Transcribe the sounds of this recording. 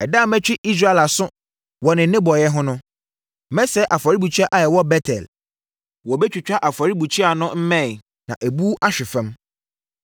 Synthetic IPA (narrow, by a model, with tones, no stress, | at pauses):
ɛ˨da˦˨mɛ̃˦t͡ɕᶣɪ˦ʔi˦s̬ɾa˦ɛ˨la˨sʊ̃˦ | wɔ˨nɪ̃˨n˨nɪ̃˦bɔ˨jɛ˦ɦʊ̃˦nʊ̃˦ | mɛ̃˦sɛ˦ʔa˨fa˨ɾi˦bu˨t͡ɕʰɥa˦ʔa˨jɛ˨wɔ˦bɛ˦tʰɛ̰˨l | wɔ˨bɛ˦t͡ɕᶣi˨t͡ɕᶣa˦ʔa˨fa˨ɾi˦bu˨t͡ɕʰi˦a˨nʊ̃˦m̩˦mɛ̃˦˨ | nã̰˨ʔæ˨bu˦ʔa˦ɕᶣɪ˨fɛ̃˦m